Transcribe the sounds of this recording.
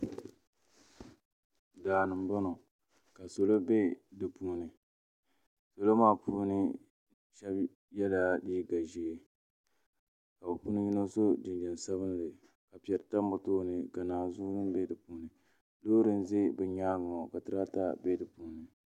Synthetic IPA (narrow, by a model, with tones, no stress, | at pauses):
daː˨nɨ˨mba˦no˨ | ka˨so˨lo˦be˦dɨ˨puː˦nɨ˨ | so˨lo˦maː˦pʰu˦nɨ˦ | ʃɛ˦b | jɛ˦la˦diː˦ɡa˨ʒe˨˦ | ka˨bɨ˨pu˦nɨ˦ɲi˦no˦so˦d͡ʒɪ˨nd͡ʒɛ˨n˨sa˦βɨ˦n˦lɨ˨ | ka˨pi˨ɛ˨ɾɨ˨ta˦m˦bʊ˨toː˦nɨ˨ka˨naː˨zu˦nɨ˦bɛ˦dɨ˨puː˨˦nɨ˨ | loː˦ɾɨ˦n˦ze˦bɨ˨ɲaː˦ŋ˨ɔ˨ka˨tɨ˨ɾa˦ta˦be˦dɨ˨puː˦nɨ˨